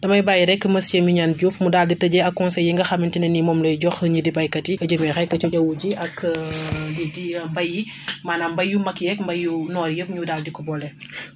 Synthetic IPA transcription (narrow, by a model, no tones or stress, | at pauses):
d̥ɐmɐjbajiɾɛkːəmɐsjɛmuɲaːnɟufmudaːlditɐɟɛɐkːɔnsɛjːiŋɡɐxɐmːintinɛnimɔmlɔjɟɔxəɲidibɐjkɐtiəɟəmɛxɛkːɐt͡ʃɔɟɐwuɟiɐk | jidimbɐji | maːnaːmbɐjːumɐkjɛkmbɐjunɔːɾjəp̚ɲudaːldikɔbɔlɛ